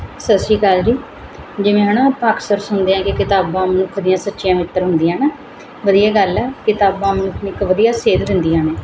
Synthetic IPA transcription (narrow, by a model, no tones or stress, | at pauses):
səsd͡ʒiːkaːld͡ʒiː | d͡ʒɪʋẽːɦənãːpaːksəɾsʊnd̪eːãːkɪkɪt̪aːbãːmənʊkʰd̪ɪjãːsətːʃɪjãːʋɪt̪ːəɾɦʊ̃nd̪ɪjãːnaː | ʋəd̪ijaːɡəlɛːkɪt̪aːbãːmənʊkʰnɪkʋəd̪ijaːseːd̪d̪ɪnd̪ijãːneː